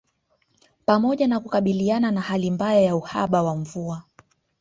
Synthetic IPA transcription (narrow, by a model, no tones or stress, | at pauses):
pamɔʄanakukaɓiliananahalimbajajauha̰ɓawaɱvua